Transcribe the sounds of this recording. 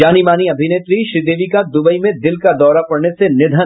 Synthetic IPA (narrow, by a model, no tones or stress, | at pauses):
aːnimaːniɐbʱɪneːt̪ɾiʃɾid̪eːʋikad̪ʊbəimẽd̪ɪlkad̪ɔːɾapɐɽnesenɪd̪ʱə